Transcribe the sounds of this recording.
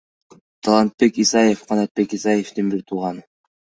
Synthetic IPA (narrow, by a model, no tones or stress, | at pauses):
t̪ʰɑlˠɑnt̪̚pe̞kisɑjefqʰɑnɑt̪̚be̞kisɑjeft̪inbiɾt̪ʰuʁɑn